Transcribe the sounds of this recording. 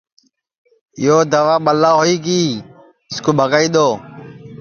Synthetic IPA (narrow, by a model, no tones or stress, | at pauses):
joːd̪əʋaːɓəlːaːɦoːiːkiː | ɪskoːbʱəɡaːiːɗ̪oː